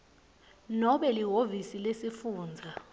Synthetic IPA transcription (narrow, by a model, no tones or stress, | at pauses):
nɔɓɛliɦovisilesifuːnd͡zʱa